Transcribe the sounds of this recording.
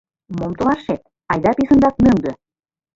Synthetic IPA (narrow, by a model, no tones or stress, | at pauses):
momt̪ɤ̆lɑʃet̪̚ | ɑjd̪ɑpisə̆nd̪ɑk̪̚møŋɡ̪ø̆